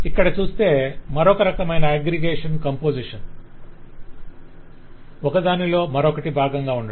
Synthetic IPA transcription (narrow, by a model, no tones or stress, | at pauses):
ikːɐɽɐt͡ʃuːst̪e̞ːmɐɾɔkɐɾɐkɐmɐjnɐeɡɾiɡeːʂɐnkɐmpoːd͡ʒiʂɐn | ɔkɐd̪aːnilo̞ːmɐɾɔkɐʈibʱaːɡɐŋɡaːuɳɖa